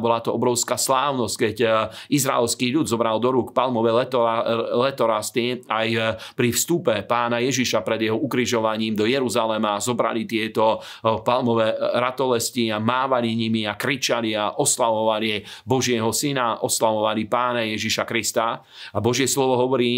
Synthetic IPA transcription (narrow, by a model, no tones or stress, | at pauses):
bɔlat̪ɔɔbɾɔʊskaslaːʊnɔsckɛɟizɾaɛlskiːʎud̪zɔbɾald̪ɔɾukpalmɔʋɛ | lɛt̪ɔɾast̪iajpɾifst̪upɛpaːnajɛʒiʃapɾɛd̪jɛɦɔukɾiʒɔʋaɲiːmd̪ɔjɛɾuzalɛmazɔbɾa̰lit̪ɪɛt̪ɔ | palmɔʋɛɾat̪ɔlɛsciamaːʋaliɲimiakɾit͡ʃaliaʔɔslaʋɔʋalibɔʒɪɛɦɔsinaʔɔslaʋɔʋalipaːnajɛʒiʃakɾist̪a | abɔʒɪɛslɔʋɔɦɔʋɔɾiː